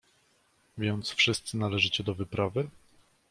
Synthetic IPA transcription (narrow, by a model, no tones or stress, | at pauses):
vʲjɛnt̪sfʂɘst̪sɘnalɛʐɘt͡ɕɛd̪ɔvɘpɾavɘ